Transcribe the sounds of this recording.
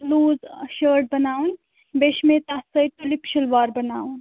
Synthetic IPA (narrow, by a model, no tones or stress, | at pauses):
luːzʃəːɾʈ̚bɐnaːun | beʃmẽt̪asəjʈulipʃəlʋaːɾbɐnaːun